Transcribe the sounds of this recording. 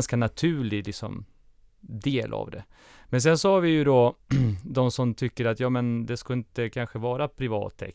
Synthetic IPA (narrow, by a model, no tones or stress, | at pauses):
nskanat̪ʰʉ̟ːɭɪlɪksɔ̰m | d̪eːlʔa̰vd̪ɛ̰ | mɛns̬ɛnsɔhaɾvɪjɵd̪ɔ | d̪ɔmsɔmt̪ʰʏkːəɾat̪jɑːmɛnd̪ɛskaɪnt̪əkʰanɧəvɑːɾapʰɾɪvɑ̰ːt̪ʰːɛ̰